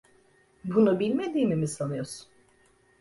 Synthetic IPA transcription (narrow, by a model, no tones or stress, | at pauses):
bunubilʲmed̪iːmimisalˠɯjosu̥